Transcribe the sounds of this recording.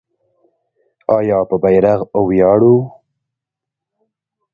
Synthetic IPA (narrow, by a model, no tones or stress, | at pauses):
ɑjɑːpəbajɾaɣowjɑːɽu